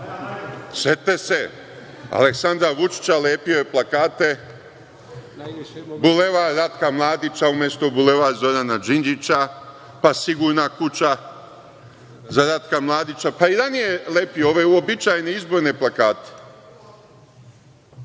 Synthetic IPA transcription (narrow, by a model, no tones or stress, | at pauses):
se̞t̪ese̞ | a̰le̞ksand̪ɾaʋut͡ʃi̥t͡ʃaleːpijo̞je̞plˠakaːt̪e̞ | bule̞ʋaɾat̪kamlˠaːd̪it͡ʃaumje̞st̪obule̞ʋazo̞ɾanad͡ʒind͡ʒit͡ɕa | pasiɡuːɾnakut͡ʃa | zaɾat̪kamlˠaːd̪it͡ʃapaid̪anijelepio̞ʋe̞uobit͡ʃajneizbo̞ɾne̞plˠakaːt̪e̥